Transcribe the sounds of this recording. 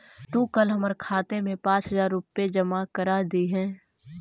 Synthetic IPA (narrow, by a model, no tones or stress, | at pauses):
t̪uːkəlɦɐməɾkʰaːt̪emẽpãːt͡ʃɦəzaːɾːʊped͡ʒəmakəɾaːd̪iɦɛ̃ː